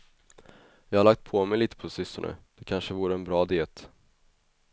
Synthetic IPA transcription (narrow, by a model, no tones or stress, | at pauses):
jɑːhaɾɭak̚t̪̚pʰɔmɛjliːt̪ə̥pʰɔsʏst̪əɳʉ̰d̪̥ɛkʰanʂəvuːɾəɛnbɾɑːd̪eːt̪